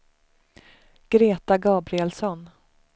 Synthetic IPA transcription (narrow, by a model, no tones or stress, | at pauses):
ɡ̥ɾeːt̪aɡɑːbɾɪɛlsɔn